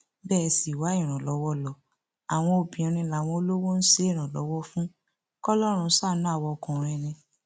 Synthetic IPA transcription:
bɛː˦˧si˨wa˨˦i˦˨ɾ̃ã˨lɔ˨˦wɔ˦lɔ˨ | a˨w̃ɔ̃˧o˨bĩ˨ĩ˧ɾ̃ĩ˧la˨w̃ɔ̃˧o˧lo˦wo˦n̩˦se˦˨ɾ̃ã˨lɔ̰˨˦wɔ˦fũ˦ | kɔ˦lɔ˦ɾ̃ũ˧˦sa˦˨nũ˨˦a˦˨wɔ˧kũ˨ɾ̃ɛ̃˦˨ɾ̃ĩ˧

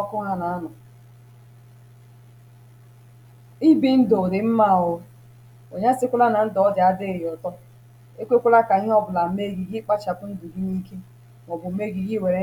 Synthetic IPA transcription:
ɔ˦kʊ˦ŋa˦na˨a˦nʊ˨ | i˦bi˦n̩˦do˨dɪ˨m̩˦ma˦˨ʊ˨ | o˨ɲa˦sɪ˦kʷʊ˦la˦na˨n̩˦dɔ˨˦ɔ˦dɪ˨a˦dɪ˦˨jɔ˨tɔ˦ | e˦kʷe˦kʷʊ˦la˦ka˨i˦ɦɔ˦bʊ˨la˨m̩˦me˦˨ɡi˨ɡi˦k͡pa˦t͡ʃa˨pʊ˦n̩˦dʊ˨ɡi˦ni˦ke˦ | mɔ˨bʊ˨m̩˦me˦ɡi˨ɡi˦˨we˨ɾe˦

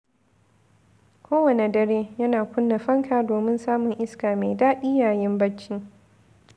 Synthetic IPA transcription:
kʷoː˦wɐ˨ne˨dɐ˦ɾeː˦jɐ˦naː˨kʷʊ˦nːa˨ɸɐ˦ŋkʰaː˨doː˨mɪ˦nsaː˦mʊ˨ŋʔɪ˦skaː˨me˨daː˦ɗiː˦jaː˨jɪ˦mbɐ˦t͡ʃːiː˦

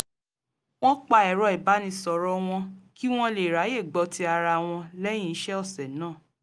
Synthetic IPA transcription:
w̃ɔ̃˦k͡pa˧ɛ˨ɾɔ˧i˨ba˨˦nĩ˧sɔ˨ɾɔ˦w̃ɔ̃˧ki˦w̃ɔ̃˦le˨ɾa˨˦je˦˨ɡ͡bɔ˧ti˧˦a˧ɾa˧w̃ɔ̃˧lɛ˦j̃ĩ˦ʃɛ˦ɔ˦˨sɛ˨nãː˦˨

